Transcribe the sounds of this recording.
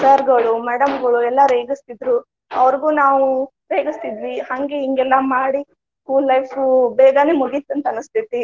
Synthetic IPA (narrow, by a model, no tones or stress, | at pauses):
sɐɾɡɐɭumɛːɽɐmɡɐɭuɛlːɐɾeːɡist̪id̪ɾu | ɐʋɐɾɡuːnaːʋu | ɾeːɡist̪id̪ʋihɐŋɡeiŋɡɛlːɐmaːɽi | skuːlːɐjfubɛːɡɐneːmuɡit̪ːɐnt̪ɐɐnɐst̪ʰit̪i